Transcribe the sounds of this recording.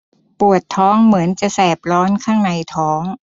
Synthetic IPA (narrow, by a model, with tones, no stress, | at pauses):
pu˨˩ət̪ʰːɔː˦˥ŋmɯ˩˦ənt͡ɕa˨˩sɛː˨˩p̚lɔː˦˥nkʰaː˥˩ŋna˧jt̪ʰɔː˦˥ŋ